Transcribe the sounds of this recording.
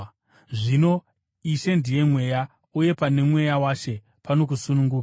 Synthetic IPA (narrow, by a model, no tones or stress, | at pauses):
ʐino̞ | iʃe̞ndije̞mwe̞ja | uje̞pane̞mwe̞jawaʃe̞ | pano̞k̬usunuŋɡuːka